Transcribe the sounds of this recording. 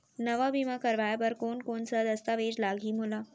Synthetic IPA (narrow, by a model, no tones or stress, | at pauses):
nɐʋabimakɐɾʋaːjabəɾkoːnkoːnsad̪ɐst̪aʋeːd͡ʒlaːɡʱimʊlaː